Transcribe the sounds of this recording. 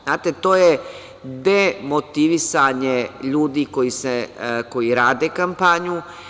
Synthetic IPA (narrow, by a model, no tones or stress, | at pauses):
znaːt̪et̪oːje | d̪emot̪iʋisaɲeʎuːd̪iko̞jiseko̞jiɾaːd̪ekampaɲu